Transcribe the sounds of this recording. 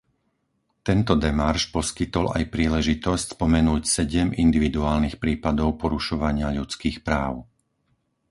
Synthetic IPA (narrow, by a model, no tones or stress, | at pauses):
t̪ɛnt̪ɔd̪ɛmaɾʃpɔskit̪ɔla̰jpɾiːlɛʒit̪ɔscspɔmɛnuːcsɛɟɛmind̪iʋid̪uaːlnixpɾiːpad̪ɔʊpɔɾuʃɔʋaɲɪaʎut͡skiːxpɾaːʊ